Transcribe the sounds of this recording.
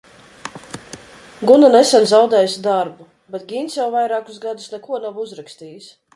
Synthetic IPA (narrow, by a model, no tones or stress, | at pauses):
ɡunanesanzawd̪ɛːjusʲd̪aɾbu | bɛt̪ɡʲinsjawvajɾaːkusɡad̪usnɛkuɔnavuzɾakst̪iːjis